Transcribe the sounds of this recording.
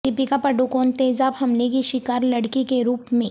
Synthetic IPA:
t̪ɪpikapɐɖokɔːnt̪eːzaːbhɐmlekiʃɪkaːɾlɐɽkikeɾuːpmẽː

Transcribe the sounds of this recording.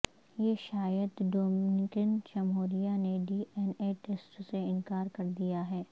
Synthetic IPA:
jeʃaːjəd̪ɖoːmnɪkənt͡ʃɐmɦoːɾijaneɖiːʔɛneːʈeːsʈseɪ̃nkaːɾkɐɾd̪ijaɦɛː

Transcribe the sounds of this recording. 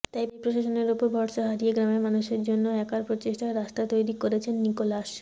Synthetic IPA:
t̪ajbipɾoʃaʃoneɾupoɾbʱɔɾʃaɦaɾieɡɾamemanuʃeɾd͡ʑonːoɛkaɾpɾot͡ɕeʃʈaɾast̪at̪ojɾikoɾet͡ɕʰenːikolaʃ

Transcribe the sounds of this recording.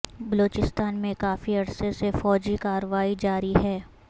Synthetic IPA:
bɐloːt͡ʃɪst̪aːnmẽkaːfiɐɽsesefɔːd͡ʒikaːɾəʋaːid͡ʒaːɾiɦɛː

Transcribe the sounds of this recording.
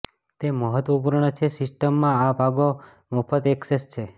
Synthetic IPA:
t̪eməɦət̪ʋəpuɾɳət͡ʃʰesɪsʈəmːãabʱaɡo | mɔpʰət̪eksest͡ʃʰe

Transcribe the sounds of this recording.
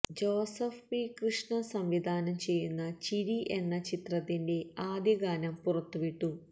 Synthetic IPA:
d͡ʑoːsɐfikrɨʂɳɐsɐmʋid̪ʱaːnɐmt͡ɕe̞jːunːɐt͡ɕiɾiʔe̞nːɐt͡ɕit̪rɐt̪ːinde̞aːd̪jɐɡaːnɐmpurɐt̪ːuʋiʈːu

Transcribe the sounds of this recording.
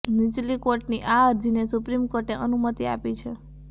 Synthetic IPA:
nit͡ʃlikoɾʈniʔaəɾd͡ʒinesʊpɾimkoɾʈneʔənumət̪ia̰pit͡ʃʰe

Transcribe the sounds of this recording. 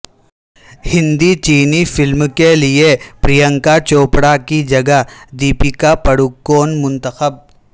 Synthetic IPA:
hɪ̃nd̪it͡ʃiːnifɪlmkeliepɾijə̃ŋkat͡ʃoːpɽakid͡ʒɐɡəd̪iːpikapəɽʊkːoːnmʊ̃nt̪əxəb̚

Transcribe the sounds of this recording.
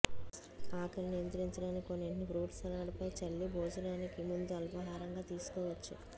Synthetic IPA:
aːkɐɾnijɐnt̪ɾiɲt͡ʃɐɽaːnikkoneɳnibɾuːʈsɐnaːɽupɐjt͡ʃɐɭːibʱɔːd͡ʒɐnaːnikimund̪uɐlpɐɦaːɾɐŋɡaːt̪iːsu̥kɔːʋɐt͡ʃːu

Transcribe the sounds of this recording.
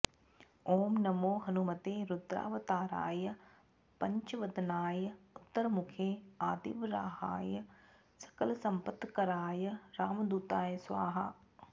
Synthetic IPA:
oːmnɐmoːɦɐnumɐt̪eːɾud̪ɾa̰ːʋɐt̪aːɾa̰ːjɐ | pɐɲt͡ʃɐʋɐd̪naːjəʊt̪ːɐɾmukʰeːaːd̪ḭʋɾaːha̰ːjə | sɐ̥kɐlɐsɐmpət̪ːkɐɾaːjɐɾaːmɐd̪uːt̪aːjəsʋaːɦɐ

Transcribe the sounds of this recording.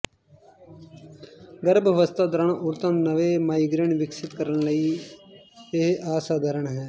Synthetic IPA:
ɡəɾbəʋəst̪ʰaːd̪əɾəɳʊɾt̪ənnəʋeːmaːiɡɾeɳʋɪksɪt̪̚kəɾəɳləiː | eɦʔaːsaːd̪əɾəɳɦɛː

